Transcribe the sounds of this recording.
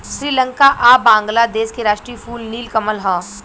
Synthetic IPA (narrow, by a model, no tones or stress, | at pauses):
ʃɾiːlə̃ŋkaʔaːbãːŋɡlad̪eːskeɾaːʃʈɾiːfuːlniːlkɐməlɦãː